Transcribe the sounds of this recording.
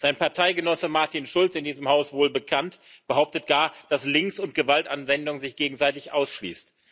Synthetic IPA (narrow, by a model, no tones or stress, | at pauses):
z̥aɪnpaɐtʰaɪɡənɔsəmaɐtinʃʊlt͡sɪndiːzəmhaʊsvoːlbəkʰantb̥əɦaʊp̚tət̚ɡ̥aːɐd̥aslɪŋksʊnt̚ɡ̥əvaltanvɛndʊŋzɪçɡ̥eːɡŋ̩zaɪtɪçʔa̰ʊsʃlḭːst